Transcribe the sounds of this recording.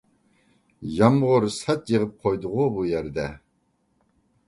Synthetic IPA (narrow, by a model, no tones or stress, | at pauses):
jɑmʁʊɾsɛt̪jəʁɨp̚qʰojd̪ʊʁʊbujæɾd̪ɛ